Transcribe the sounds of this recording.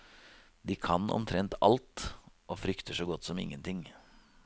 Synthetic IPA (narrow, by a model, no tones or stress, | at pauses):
d̪ɪkʰɑnɔ̰mt̪ʰɾɛnt̪ɑ̰lt̪ʔɔfɾʏkt̪əʂɔɡɔt̪ːsɔmɪ̰ŋːənt̪ʰɪŋː